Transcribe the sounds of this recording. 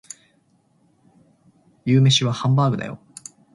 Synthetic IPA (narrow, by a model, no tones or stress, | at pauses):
jɯːme̞ɕiβahãmbaːɡɯ̟d̪a̰jo̞̰